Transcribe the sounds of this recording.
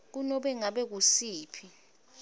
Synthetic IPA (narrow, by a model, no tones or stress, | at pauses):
k̬unɔɓɛŋaɓɛk̬usiːpʰi